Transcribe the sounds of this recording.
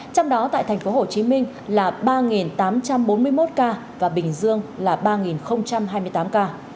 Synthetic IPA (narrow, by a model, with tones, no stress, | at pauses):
t͡ɕɔ˧wŋ͡mɗɔ˨˦t̪a̰ː˧˨jt̪ʰŋ̟fo˨˦ho˨˩t͡ɕi˨˦mï˧ŋ̟ | laː˨˩ɓaː˧ŋi˨˩nt̪aː˨˦mt͡ɕa˧mɓo˨˦nmɨ˧əjmo˦˥t̚kaː˧ | vaː˨˩ɓï˨˩ŋ̟zɨ˧əŋlaː˨˩ɓaː˧ŋi˨˩nxə˧wŋ͡mt͡ɕa˧mɦaː˧jmɨ˧əjt̪aː˨˦mkaː˧